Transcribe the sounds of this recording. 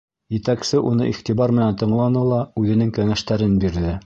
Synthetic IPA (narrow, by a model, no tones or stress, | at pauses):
jɘ̆t̪æksɘʔunɤ̰ʔiχt̪iβɑɾmɘ̆nænt̪ɤ̆ɴlˠɑnɤlˠɑʉðɘ̆nɘŋkæŋæʃt̪æɾɘnbiɾðɘ